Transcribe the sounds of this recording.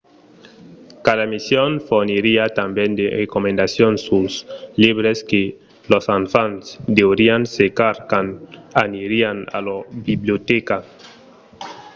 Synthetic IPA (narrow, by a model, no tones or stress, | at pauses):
kaðamisjonfoɾniɾiat̪ambjẽnd̪erekomẽnd̪asjonsusliβɾeske | losaɱfansd̪eweɾiansekaɾkananiɾiana̰lobibljot̪eka